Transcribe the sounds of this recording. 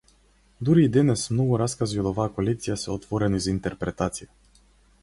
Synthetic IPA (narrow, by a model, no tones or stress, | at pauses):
d̪uɾiːd̪ɛnɛsmnɔɡuɾaskaziod̪ɔvaːkolɛk̚t̪ijasɛɔt̪vɔɾɛnɔizaint̪ɛɾpɾɛt̪at̪sija